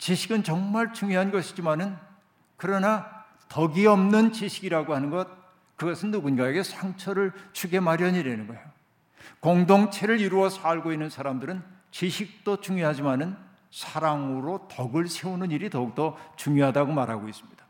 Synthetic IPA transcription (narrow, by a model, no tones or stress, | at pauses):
t͡ɕiɕʰiɡɯnt͡ɕʌŋmaɭt͡ɕuŋjoɦanɡʌɕʰid͡ʑimanɯn | kɯɾʌna | tʌɡiʌmnɯnt͡ɕiɕʰiɡiɾaɡoɦhanɯnɡʌt̚ | kɯɡʌsʰɯnːuɡunɡae̞ɡe̞sʰaŋt͡ɕʰʌɾɯɭt͡ɕʰuɡe̞maɾjʌɲiɾenɯnɡʌejo | koŋdoŋt͡ɕʰe̞ɾɯɾiɾuʌsʰaɭɡoinːɯnsʰaɾamdɯɾɯn | t͡ɕiɕʰik̚t͈ot͡ɕuŋjoɦad͡ʑimanɯn | sʰaɾaŋɯɾotʌɡɯɭsʰe̞unɯniɾitʌuk̚t͈ʌt͡ɕuŋjoɦadaɡomaɾɦaɡois͈ɯ̥mɲid̥ḁ